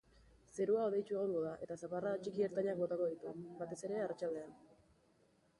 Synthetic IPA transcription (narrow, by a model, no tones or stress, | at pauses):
se̞ɾuaoðe̞jt͡ʃue̞ɣ̞oŋɡoðaʔe̞t̪asaparat͡ʃikieɾt̪aɲak̚bo̞t̪ako̞ðit̪ubat̪e̞se̞ɾe̞arat͡ʃald̪e̞an